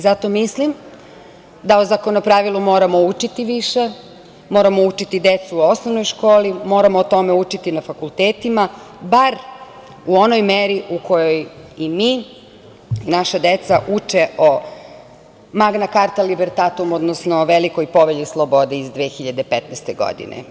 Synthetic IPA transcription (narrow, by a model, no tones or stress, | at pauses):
izat̪o̞mislim | d̪aozako̞nopɾaʋilˠumoːɾamo̞ut͡ʃit̪iʋiʃe | mo̞ːɾamo̞ut͡ʃit̪id̪et̪suːo̞snoʋnojʃko̞ːlimo̞ːɾamoːt̪o̞meut͡ʃit̪inafakulˠt̪eːt̪imabaɾ | uo̞nojmeɾiʔuko̞jojimiː | naʃad̪et̪saʔut͡ʃeo | maɡnakaɾt̪alibeɾt̪at̪umod̪nosnoʋelikojpo̞ʋeʎislˠobo̞d̪eizd̪ʋeːxiʎad̪epet̪nɛst̪eɡo̰d̪ḭnḛ